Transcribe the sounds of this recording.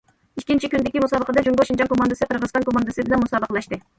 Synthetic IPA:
iʃkʲint͡ʃikʲynd̪ɪkʲimusɑːbəqəd̪ɑd͡ʒuŋɡoʃind͡ʒɑŋkʰomɑnd̪ɑsɨqʰəɾʁəzqɑnŋkʰomɑnd̪ɑsɨb̪ɪnɑnmusɑːbəqlˠɑʃt̪ɨ

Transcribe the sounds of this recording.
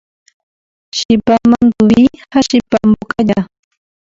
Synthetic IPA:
ʃɪpamand̪ʊwihaʃɪpamʊkaʎa

